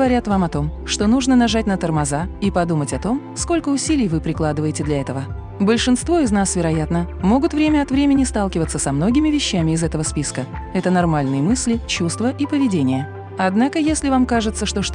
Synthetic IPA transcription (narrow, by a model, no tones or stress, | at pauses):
ɡəvɐɾʲat̪vamɐt̪o̞mʂt̪o̞nuʐnənɐʐatʲnət̪ərmɐzaipɐd̪umətʲɐt̪o̞m | sko̞lʲkəʊsʲilʲɪjvɨpɾʲɪklˠad̪ɨvəjɪtʲɪd̪lʲɐɛt̪əvə | bəlʲʂɨnst̪vo̞ɪznasvʲɪɾɐjat̪nəmo̞ɡʊt̪vɾʲemʲəɐt̪vɾʲemʲɪnʲɪst̪alˠkʲɪvət̪sːəsɐmno̞ɡʲɪmʲɪvʲɪɕːæmʲɪɪzɛt̪əvəspʲiskəɛt̪ənarmalʲnɨjəmɨsʲlʲɪt͡ɕust̪vəʔipəvʲɪdʲenʲɪjə | ɐd̪nakəjesʲlʲɪvamkaʐɨt̪sːəʂt̪o̞ʂt̪